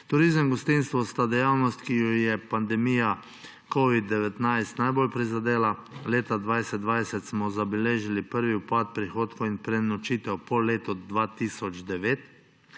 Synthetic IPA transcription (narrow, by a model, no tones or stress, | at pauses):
t̪uɾizəmɡɔst̪inst̪ʋɔst̪ad̪ɛjawnɔst̪kijɔjɛpand̪ɛmija | koʋid̪ːɛʋɛt̪najst̪najboːlpɾizad̪eːlaleːt̪ad̪ʋajsɛd̪̚d̪ʋajsɛt̪smɔzabɛleːʒilipəɾʋiwpat̪̚pɾixoːt̪kɔinpɾɛnɔt͡ʃit̪ɛwpɔleːt̪ɔd̪ʋat̪isɔd͡ʒd̪ɛʋeːt̪